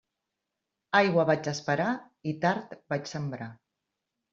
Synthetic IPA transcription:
ajɣwəβad͡ʒəspəɾa | it̪aɾt̪bat͡ʃsəmbɾa

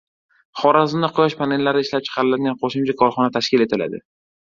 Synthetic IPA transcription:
χɒɾazɪmnɪqʰʊjɒʃpʰane̞lːaɾɪɪʃlap̚t͡ʃʰɨ̥qʰɑɾɪlad̪ɡʲanqʰoʃɪmt͡ʃʰakʰɒɾχɒnat̪ʰaʃkʲɪle̞t̪ʰɪla̰d̪ɪ̰

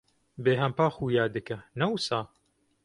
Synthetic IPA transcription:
beːɦɐmpaːxuːjaːd̪ɨkɐnɐwsaː

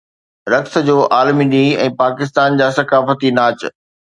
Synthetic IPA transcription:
ɾɐkt̪ə̆d͡ʑoːʔaːlmiɗiɛ̃ːpaːkɪs̬t̪aːnd͡ʑaːsɐkaːfət̪inaːt͡ɕ

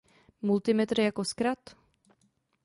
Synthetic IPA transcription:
mult̪ɪmɛt̪ɾjakoskɾat̪

